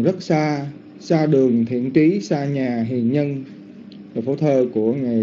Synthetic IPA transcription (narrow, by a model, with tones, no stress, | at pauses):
zə˦˥t̚saː˧ | saː˧ɗɨ˨˩əŋt̪ʰḭ˧˨ənt͡ɕi˨˦saː˧ɲaː˨˩ɦi˨˩ənɲə˧n | vəː˨˩fo̰˧˩˦t̪ʰəː˧˩ku˧˩əŋa˨˩